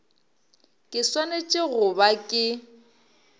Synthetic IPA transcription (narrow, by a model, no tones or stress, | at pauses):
kʼɪswanet͡ʃʼɪɣʊbakʼɪ